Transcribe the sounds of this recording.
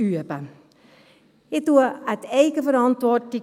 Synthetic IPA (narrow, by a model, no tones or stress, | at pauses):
yəpə | ɪduəəteːkəfəɾɑntʋort̚di